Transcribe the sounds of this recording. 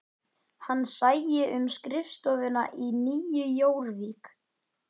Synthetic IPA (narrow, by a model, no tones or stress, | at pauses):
hanːsaːjjɪʔʏmskɾɪfst̪ɔːvɪna̰ʔiniːjʏjoːwɾviːk